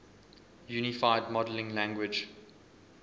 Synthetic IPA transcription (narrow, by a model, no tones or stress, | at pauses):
junɪfaɪdmɔdəlɪ̃ŋlæ̃ŋɡwɪd͡ʒ